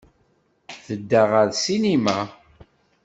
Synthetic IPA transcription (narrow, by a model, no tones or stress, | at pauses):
θəd̪ːaʁəɾsinima